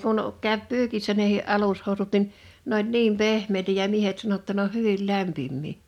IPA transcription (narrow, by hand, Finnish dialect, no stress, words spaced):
kun kæˑø̝p pyːkisːæ nehi ʔɑlushoˑu̞sut nin n olʲ niːm pehmˑeˑitæ jɑ miehet sɑno tːɑ ne oh̆ hyʋil læmpimːiː